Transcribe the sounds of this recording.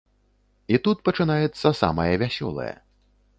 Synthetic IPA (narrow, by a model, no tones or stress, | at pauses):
it̪ut̪̚pɐt͡ʂɨnajɛt̪sːɐsa̰mɐjɐvʲasʲɔ̰lˠɐ̰jɐ̰